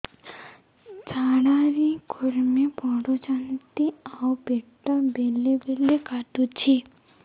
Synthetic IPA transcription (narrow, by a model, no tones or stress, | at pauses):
t͡saːɽaɾiɡʱʊɾmẽpɔːɽot͡ʃant̪iaːwbeːʈabeːlebeːlekaːʈut͡ʃʰi